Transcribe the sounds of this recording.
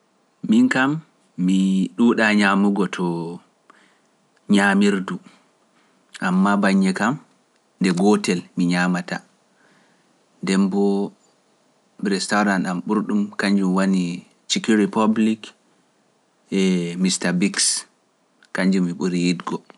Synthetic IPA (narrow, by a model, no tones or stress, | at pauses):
minkamː | iɗuːɗaɲamuɡɔtʰɔ | ɲamiɾdu | ʔamːabaɲːɛkam | ndɛɡɔtɛlmiɲamata̰ | ndɛmbɔ | ɾɛstaɾanamɓuɾɗumkaɲd͡ʒumwani | t͡ʃikiɾipablik | ɛmistabiks | kaɲd͡ʒumːiɓuɾijidɡɔ